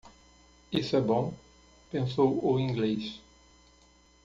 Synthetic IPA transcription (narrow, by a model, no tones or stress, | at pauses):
isɛbɔ̃ | pẽsowoĩŋɡles